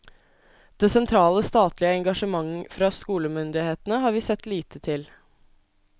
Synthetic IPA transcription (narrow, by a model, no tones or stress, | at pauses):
d̪̥eːsɛnt̪ʰɾɑːləst̪ɑːt̪lɪəɛŋɡɑʂəmɑŋfɾɑːskuːləmʏnd̪ɪheːt̪ən̩əɦɑːɾʋiːsɛt̪liːt̪ət̪ʰɪl